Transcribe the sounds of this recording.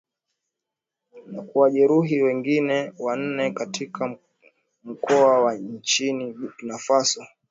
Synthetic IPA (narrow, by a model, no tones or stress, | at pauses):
nakuwaʄɛɾuɦiwɛŋɡinɛwan̩nɛkatikʰa | m̩kɔawaɲt͡ʃiniknafasɔ